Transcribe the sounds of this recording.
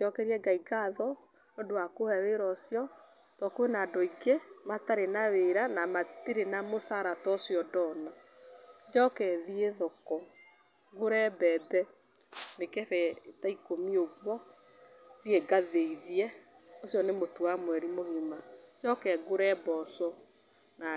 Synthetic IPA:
teɔkɛɾiɛɡaiɡaðɔ | nodowakohɛweɾɔsijɔ | tɔkoenadɔiɡemataɾenaweɾanamatiɾenamosaɾatɔsiɔdɔnɔ | d͡ʒɔkɛðieðɔkɔ | ɡoɾɛbɛdɛ | nekɛɾɛtaikomioɡwɔ | ieɡaðeiðiɛosjɔnemotuwamwɛɾimoðimad͡ʒɔkɛɡoɾɛbɔsɔ | na

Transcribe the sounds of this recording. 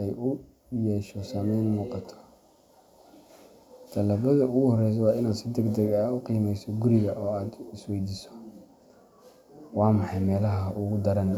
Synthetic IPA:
ʔɛjʊ | jɛːʃɔsɐmɛjnmuːqɑt̪ʰɔ̥ | d̪̥ʰɐlaːβɐðɐʊɣʊhɔrɛjs̬ɔwɑːɪnaːd̪sɪd̪ɛɡd̪ɐɡaːʊqiːmɛjsɔɡʊɾɪɣɐʔɔːaːd̪ɪswɛjd̪isɔ̥ | wɑːmɑħɑjmɛːlɐɦɐɦʔʊɣʊd̪ɐɾɐn

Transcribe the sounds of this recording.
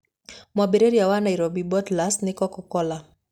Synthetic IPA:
mwabeɾeɾijawanajɾɔbibɔtlasnɪkɔkɔkɔla

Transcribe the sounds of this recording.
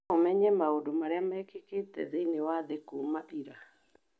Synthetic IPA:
omɛɲɛmaodomaɾeamaɛkeketɛ̰ðeinewaðekumaʔiɾa

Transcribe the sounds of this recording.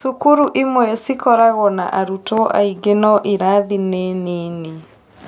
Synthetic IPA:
sukuɾuʔimwɛsikɔɾaɣɔna̰ʔaɾutɔʔa̰iɡenɔʔiɾaðineneːne

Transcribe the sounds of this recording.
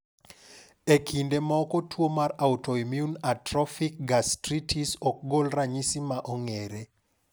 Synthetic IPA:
ekʰindemaɔkɔtʰwomaɾautɔimjunatrɔfik̚ɡastɾitʰisɔk̚ɡolraɲisimaʔɔŋeɾe

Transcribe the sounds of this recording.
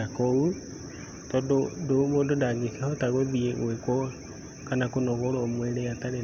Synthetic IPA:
akou | tɔdodomoːndodaɡesɛhɔtaɣoðieɣwekwɔ | kanakonɔɣoɾɔmweɾeataɾe

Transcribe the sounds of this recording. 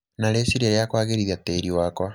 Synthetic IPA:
naɾesiɾeɾeakwaːɣeɾiðjateːɾiwakwa

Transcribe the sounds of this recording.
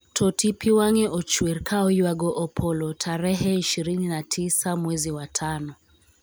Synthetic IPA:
tʰɔtipiwaŋɛʔɔt͡ʃwiɾkʰaɔjwaɡɔʔɔpʰɔlɔtʰaɾɛɦɛiʃiɾininatʰisamwɛziwatʰanɔ

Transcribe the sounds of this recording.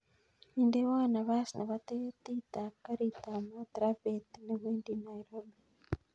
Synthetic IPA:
indeβanaβasinaβat̪etitakaɾitamat̪ɾapetineβiːndinajɾobi

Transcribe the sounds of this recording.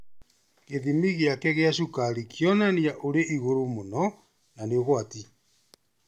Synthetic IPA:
keðimiɣeakɛɣeaʃukaɾikjɔnaniaʔoɾeʔiɣoɾomonɔ | naneoɣwati

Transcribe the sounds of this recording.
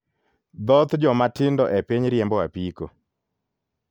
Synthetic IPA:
d̪ɔt̪d͡ʒɔmatɪndɔʔɛpeɲɾjɛmbɔwapiko

